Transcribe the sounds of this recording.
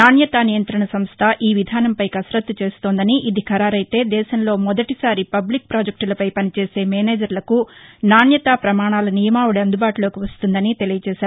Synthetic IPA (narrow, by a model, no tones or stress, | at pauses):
naːnjɐt̪aːnijɐnt̪ɾɐɳɐsɐmst̪ʰɐʔiːʋid̪ʱaːnɐmpɐjkɐsɾɐt̪ːut͡ʃe̞ːst̪oːnd̪ɐniʔid̪ikʰɐɾaːɾɐjt̪e̞ːd̪ɛːʃɐmlo̞ːmɔd̪ɐʈisaːɾipɐblik̚pɾaːd͡ʒɐk̚ʈulɐpɐjpɐnit͡ʃeːse̞ːmɛːneːd͡ʒɐɾlɐkunaːnjɐt̪aːpɾɐmaːɳaːlɐnijɐmaːwuɽiɐnd̪ubaːʈulo̞ːkiʋɐst̪und̪ɐnit̪e̞lijɐt͡ʃɛːʃaːɾu